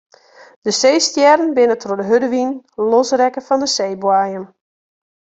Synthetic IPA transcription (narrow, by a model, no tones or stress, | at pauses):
d̥əsejstjɛɾənbɪnətrodəɦødəʋinlɔsrɛkəfɔndəseːbwajəm